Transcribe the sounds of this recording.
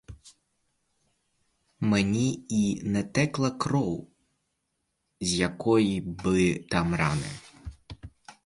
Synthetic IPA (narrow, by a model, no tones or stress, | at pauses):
menʲiinɛt̪ɛklˠɐkɾɔw | zʲjɐkɔjibɪt̪ɑmɾɑnɪ̰